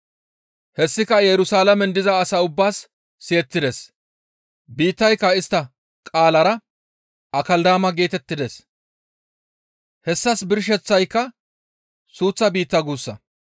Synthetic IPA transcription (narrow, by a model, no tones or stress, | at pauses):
hɛsːɪkɐjɛɾʊsaːlɐmɛnd̪ɪzɐːsaʊbːaːsː | eːt̪ːɪd̪es | biːt̪ːɐjkːɐɪst̪ːɐ | kʼaːlɐɾɐ | ɐkɐld̪aːmɐɡe̞ːt̪ɛt̪ːɪd̪es | hɛsːɐsbɪɾʃ̬ɛt͡sːɐjkːɐ | suːt͡sːɐbiːt̪ːɐɡuːsːɐ